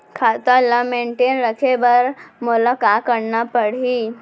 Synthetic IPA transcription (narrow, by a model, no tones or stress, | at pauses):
kʰat̪ələmeɳʈenɾəkʰebəɾmʊlakakəɽnapəɽ̤i